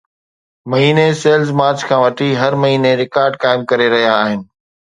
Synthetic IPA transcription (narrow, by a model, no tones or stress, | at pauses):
mɐɦiːneseːlzmaːɾt͡ɕkʰãːʋɐʈʰiɦɐɾmɐɦiːneɾɪkaːɾɖkaːɪmkɐɾeɾɐɦijaːɦɪnɪ̆